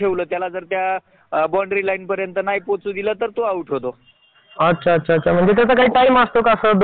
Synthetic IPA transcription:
eʋləːt̪jalad͡zəɾt̪ja | bɔɳɖɾilainpəɾjənt̪ənajpot͡sud̪ilət̪əɾt̪oauʈʰeʋt̪o | ətːɕʰaːt̪ːɕʰaːtːɕʰam̤əɳd͡zet̪̬at̪əkaɦiːʈajməst̪okasəd̪

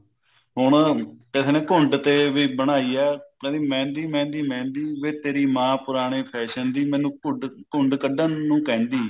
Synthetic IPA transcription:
ɦʊɳkeseːnẽːkʊɳɖt̪eːʋiːbəɽ̃aːiːɛːkɛ̃ːd̪iːmɛ̃ːnd̪iːmɛ̃ːnd̪iːmɛ̃ːnd̪iːʋeːt̪eːɾiːmãːpʊɾaːɽ̃eːpʰɛːʃənd̪iːmɛ̃ːnũːkʊɳɖkʊɳɖkəɖənũːkɛ̃ːnd̪iː

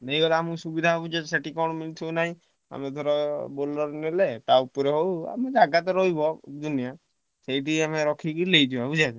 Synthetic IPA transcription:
nejɡɔlamusubid̪ʱaɦobud͡ʒaseʈikɔɽ̃minit̪ʰɦownaɦĩ | a̰med̪ʰʱɔɾɔbolɔɾnelet̪aupɔɾeɦowa̰med͡ʒaɡat̪ɔɾɔɦibɔd̪unija | sejʈiameɾɔkʰikilejd̪ʰibabud͡ʒad͡ʒ

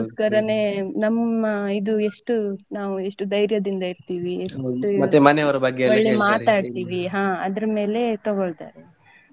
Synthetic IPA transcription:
oskɐɾɐne̞nɐmːɐid̪ueʂʈunaːʋueʂʈud̪ɐjɾjɐd̪ind̪ɐiɾt̪iːʋieʂumɐt̪ːemɐneɐʋɐɾɐbɐɡːeɐɭːemaːt̪aːɖt̪iːʋiɦãːɐd̪ɐɾɐme̞ːle̞t̪ɔɡoɭt̪a̰ːɾe

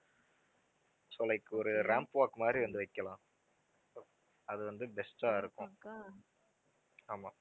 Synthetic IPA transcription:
sɔlɐɪkːɯɔɾɯɾaːmpʋaːkːɯmaːd̪ɾiʋɐnd̪ɯʋɐɪkːɐlãː | ɐðɯʋɐnd̪ɯbɛsʈaːɪɾɯkːʊ̃ | aːmaː

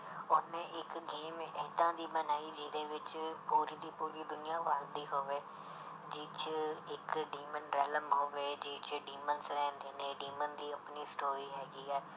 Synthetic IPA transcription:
ʊnẽːʔɪkɡeːmɛːt̪ãːd̪iːbənaːiːd͡ʒiːd̪eːʋɪt͡ʃpuːɾiːd̪iːpuːɾiːd̪ʊnɪjãːʋaːld̪iːɦoːʋeː | d͡ʒɪːt͡ʃɪkɖiːmənɾɛːləmɦoːʋeːd͡ʒiːt͡ʃɖiːmənsɾɛ̃ːnd̪eːnẽːɖiːmənd̪iːəpniːsʈoːɾiːɦɛːɡiːɛː

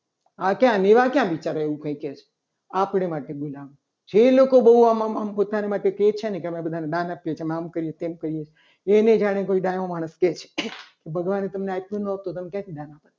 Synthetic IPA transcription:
akjãneʋakjãʋit͡ʃaɾeʋũkə̃ĩket͡ʃʰe̥ | apɳemaʈebolaʋũ | d͡ʒʰelokobəɦuammampot̪anemaʈeket͡ʃʰenekeəmebəd̪ʱaneɖãnapjet͡ʃʰeəmeamkəɾijet̪emkəɾijet͡ʃʰe | ened͡ʒaɽ̃ekoiɖajʋomaɽ̃əsket͡ʃʰe̥kebʱəɡʋanet̪əmneak̚nunət̪ot̪əmekjãt̪ʰidãnapəɾe

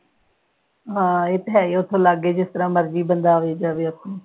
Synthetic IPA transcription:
ɦãːeːt̪ɦɛːiːʊt̪ʰːõːlaɡeːd͡ʒɪst̪əɾãːməɾd͡ʒiːbənd̪aːeːd͡ʒaːʋeːəpʰːõː

